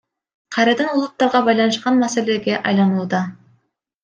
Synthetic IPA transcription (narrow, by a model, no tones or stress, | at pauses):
qʰɑjɾɑd̪ɑnulˠut̪ːɑɾʁɑbɑjlˠɑnɯʃqɑnmæseleɡʲe̞ʔɑjlˠɑnulˠd̪ɑ